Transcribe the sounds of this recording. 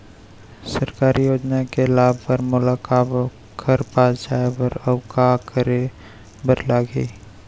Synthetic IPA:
səɾkaːɾijoːd͡ʒnakelaːbʱpəɾmʊlaːkab | kʰəɾpaːd͡ʒaːeɔɾɐwkakəɾe | bəɾlaːɡeː

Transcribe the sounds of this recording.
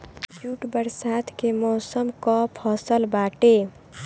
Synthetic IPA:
d͡ʒuːʈbəɾsaːt̪ʰkemɔːsəmkɔpʰɔːsəlbaːʈe

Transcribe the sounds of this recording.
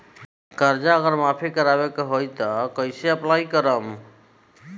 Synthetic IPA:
kəɾd͡ʒaəɣəɾmapʰikəɾabekeɦojt̪ɔkəɪseəplaikəɾəm

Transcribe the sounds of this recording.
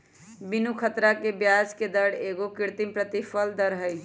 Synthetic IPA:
binukʰət̪ɾakebjad͡ʒked̪əɽ̤eɡokiɾt̪impɾət̪ipʰəld̪əɾɦəj

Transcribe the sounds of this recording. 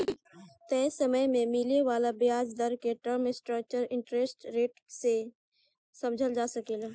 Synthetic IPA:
t̪ɛsəməjmẽmɪleʋaːlabijaːd͡ʒd̪əɾkeʈəɾmɪsʈɾək̚t͡ʃəɾɪ̃ɳʈɾeːsʈɾeːʈse | səmd͡ʒʱəld͡ʒaːsəkeːla

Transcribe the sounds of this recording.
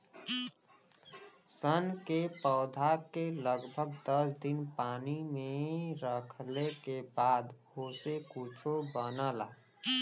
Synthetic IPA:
sənkepɔːd̪ʱakeləɡbʱəɡ̚d̪əsd̪ɪnpaːnimẽɾəkʰlekebaːd̪ɦoːsekut͡ʃʰobənaːla̰ː

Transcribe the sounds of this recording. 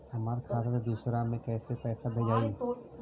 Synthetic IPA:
ɐmaːɾkʰaːɾɾd̪uːsɾamẽkɛːsepɛːsabʱeɡaːi

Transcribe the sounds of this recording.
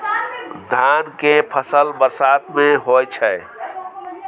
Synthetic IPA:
d̪ʱankepʰəsəlbəɾsat̪mẽɦojt͡ʃʰɛ

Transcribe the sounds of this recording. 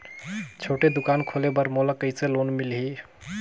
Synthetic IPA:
t͡ʃʰoʈed̪ukankʰolebəɾmoləkəjselonmilɦi

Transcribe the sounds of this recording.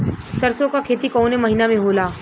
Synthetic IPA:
sɐɾsõkakʰeːt̪ikɔːnemɐɦinamẽɦoːlaː

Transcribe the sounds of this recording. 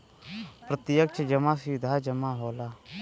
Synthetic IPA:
pɾət̪ɪjək̚t͡ʃʰd͡ʒəmaːsɪd̪ʱaːd͡ʒəmaːɦoːlaː

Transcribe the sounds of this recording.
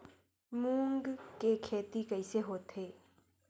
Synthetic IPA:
mũːŋɡkekʰeːt̪ikəɪseɦoːt̪ɦeː

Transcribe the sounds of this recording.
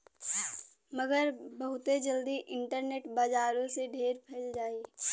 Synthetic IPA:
məɡəɾbəɦʊt̪ed͡ʒəld̪iʔɪɳʈəɾneːʈbaːd͡ʒaːɾõseɖʱeːɾpʰeːld͡ʒaːiː

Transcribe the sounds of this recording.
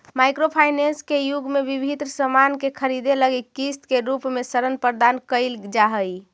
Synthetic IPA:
majkɾopʰajneskejuɡmebibʱid̪ɾəsəmankekʰəɾid̪eləɡikist̪keɾupmesəɾənpəɾd̪ankəɪld͡ʒaɦəj

